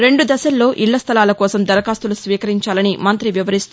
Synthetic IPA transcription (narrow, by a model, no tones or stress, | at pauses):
ɾe̞ɳɖud̪ɐsɐlːo̞ːʔiɭːɐst̪ʰɐlaːlɐkɔːsɐmd̪ɐɾɐkaːst̪ulusʋiːkɐɾiɲt͡ʃaːlɐnimɐnt̪ɾiʋiʋɐɾist̪u